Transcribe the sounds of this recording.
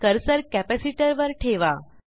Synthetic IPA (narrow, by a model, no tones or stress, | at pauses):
kəɾsəɾkæpæsiʈəɾʋəɾʈʰeʋa